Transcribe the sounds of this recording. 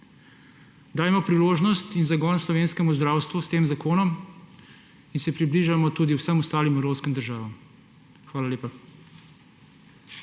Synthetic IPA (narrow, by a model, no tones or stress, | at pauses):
d̪aːjmɔpɾiloːʒnɔst̪inzaɡɔnslɔʋeːnskɛmuzd̪ɾaːwst̪ʋust̪eːmzakoːnɔm | insɛpɾibliʒamɔt̪uːd̪iwsəmɔst̪aːlimɛwɾoːwskɛmd̪əɾʒaːʋam | xʋaːlalʲeːpa